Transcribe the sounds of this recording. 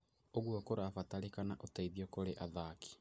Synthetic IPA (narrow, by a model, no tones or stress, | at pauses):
oɣwɔkoɾafatalikanaʔotaiðiɔkoɾeʔaðaki̥